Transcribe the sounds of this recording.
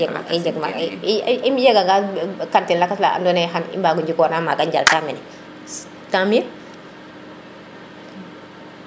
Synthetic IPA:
maɛd͡ʒɛɡma̰ | imjɛɡaŋɡakantinlakasla̰a̰ndɔnɛɦanḭmbaːɡuɲd͡ʒikɔːnamaɡaɲd͡ʒa̰ltaːminɛ | tami

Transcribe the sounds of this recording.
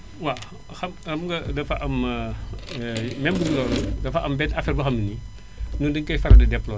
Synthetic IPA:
wa | xɐmxɐmɡɐdɐfɐʔɐm | mɛmbəɡulɔːldɐfɐʔɐmbɛtɐfɛɾbɐxɐmini | nudiŋkɐjfɐɾɐdɐdɛpːlɔ

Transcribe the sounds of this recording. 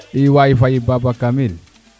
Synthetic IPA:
iwaifaibabakamil

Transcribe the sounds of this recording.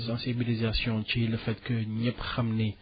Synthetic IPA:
sɑ̃sibilizasjɔ̃t̪eləfɛt̪kəiɲɛpʁamne

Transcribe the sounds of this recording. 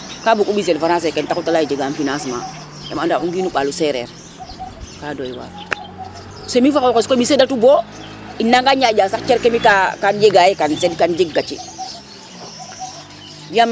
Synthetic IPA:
kabukubizelfaɾãs̬ɛkentakutalajid͡ʒeɡanfinasma̰ | ja̰mandauŋɡinuɓalusɛɾɛ̰ɾ | kadojiwa̰ːɾ | semifakkeskomisedatubo | inːaŋɡaɲaɟasakt͡ʃeɾkemikakand͡ʒeɡajekansedkand͡ʒiɡɡat͡ʃḭ | biam

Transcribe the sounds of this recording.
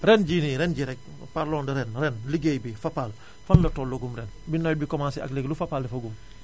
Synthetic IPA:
ɾɛnɟiːniɾɛnɟiɾɛk̚ | paɾlɔːndɐɾɛnɾɛnliɡejbifapal | fanlɐtɔlːoɡumɾɛnbinɔjbikɔmaːnsia̰kliɡlufapaːldɛfɐɡum

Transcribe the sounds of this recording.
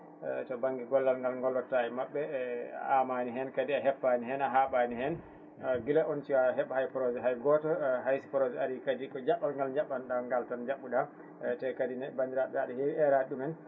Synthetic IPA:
tɔbaŋɡiɡɔlːalŋɡalŋɡɔlːɔtajɛmaɓːɛamaniɦɛnkadiaɦɛpːaniɦɛnaɦaɓanihɛn | ɔɡilɛʔɔntiwaɦɛɓahajpɔɾɔd͡ʒɛɦajɡɔtɔɦajsi̥pɔɾɔd͡ʒɛaɾikadikɔd͡ʒaɓːalŋɡalɲd͡ʒaɓːanɗaŋɡaltand͡ʒaɓːuɗa | tɛkadinɛbandiɾaɗaɗihiɛɾaɗumɛn

